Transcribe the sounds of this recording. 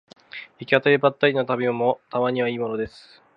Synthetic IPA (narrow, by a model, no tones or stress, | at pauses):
ikʲiat̪aɾebat̪ːaɾʲinot̪abʲimomot̪amaɲ̟iβaiːmo̞no̞d̪e̞sɨ̥